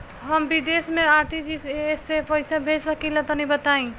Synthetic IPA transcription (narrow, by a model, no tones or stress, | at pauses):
ɦəmbid̪esmẽaɾt̪id͡ʒisesːepəɪsabʱed͡ʒsəkilat̪ɔnĩbət̪aĩ